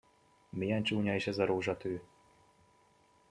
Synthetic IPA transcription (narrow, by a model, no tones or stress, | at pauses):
mijɛnt͡ʃuːɲɒiʃɛzɒɾoːʒɒt̪øː